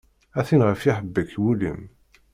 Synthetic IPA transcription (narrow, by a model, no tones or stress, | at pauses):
æθinʁəfiħəbːəkwulḭm